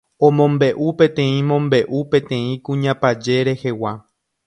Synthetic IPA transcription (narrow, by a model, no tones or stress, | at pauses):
õmõ̞mbe̞ʔupẽ̞t̪ẽ̞ĩmõ̞mbe̞ʔupẽ̞t̪ẽ̞ĩkũɲãpad͡ʒe̞ɾe̞he̞wa